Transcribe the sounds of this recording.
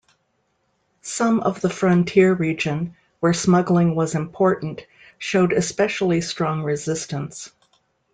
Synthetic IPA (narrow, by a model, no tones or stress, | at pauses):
sʌ̃mʌ̰vðəfɹʌ̃ntʰɪɹɹid͡ʒɨ̃n | wə˞smʌɡl̩ˠɪ̃ŋwʌzɨ̃mpʰɔɹʔn̩t | ʃoʊɾɨspɛʃl̩ˠistɹ̥ɔ̃ŋɹɪzɪstə̃ns